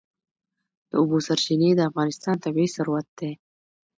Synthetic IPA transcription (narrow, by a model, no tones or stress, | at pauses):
d̪̥əʊbosaɾt͡ʃined̪əafɣɑnɪst̪ɑnt̪abesaɾwat̪̚d̪̥e